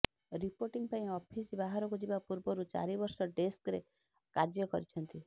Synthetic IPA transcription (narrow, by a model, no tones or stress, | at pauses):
ɾipoɾʈiŋpaĩɔpʰisbaɦaɾɔkud͡ʒibapuɾbɔɾut͡ʃa̰ɾibɔɾsɔʈeskɾḛ | kad͡ʒjɔkɔ̰ɾit͡ʃʰɔnt̪i